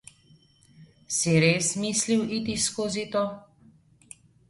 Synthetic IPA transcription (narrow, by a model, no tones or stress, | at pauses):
siɾeːsmisliwʔit̪iskoːzit̪o